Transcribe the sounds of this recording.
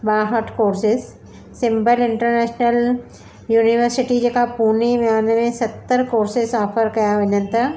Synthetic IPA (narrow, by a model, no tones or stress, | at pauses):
ɓaːɦəʈʰkoːɾsɪzː | ɪ̃mbəlɪ̃ɳʈəɾnɛːʃnəl | juːnɪʋəɾsɪʈid͡ʑeːkapuːnimaːnmẽsɐt̪ːəɾkoːɾsɪzɔːfəɾkɐjaʋɐɲənɪ̆t̪ɐ